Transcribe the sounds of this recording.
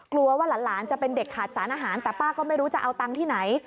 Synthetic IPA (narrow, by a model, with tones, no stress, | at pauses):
klu˧ɐwaː˥˩laː˨˩˦nlaː˩˦nt͡ɕa˨˩pe˧nde˨˩kʰːaː˨˩t̪̚saː˩˦nʔaː˧ɦaː˩˦nt̪ɛː˨˩paː˥˩kɔː˥˩ma˥˩jɾuː˦˥t͡ɕa˨˩ʔa˧wt̪a˧ŋt̪ʰiː˥˩na˩˦j